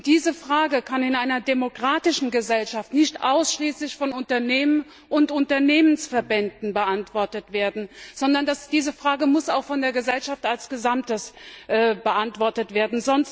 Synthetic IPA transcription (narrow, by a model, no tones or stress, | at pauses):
d̥iːzəfʁ̥aːɡəkʰanɪnʔaɪnɐdemokʁ̥aːtɪʃn̩ɡəzɛlʃaftnɪçtʔa̰ʊsʃliːslɪçfɔnʊntɐneːmən | ʔʊntʊntɐneːmənsfɛɐbɛndn̩bəʔantv̥ɔɐtətv̥eːɐdn̩z̥ɔndɐndasd̥iːzəfʁ̥aːɡəmʊsaʊxfɔndeːɐɡəzɛlʃaftalsɡ̥əzamtəsʔɛːbəʔantv̥ɔɐtətv̥eːɐdn̩zɔnst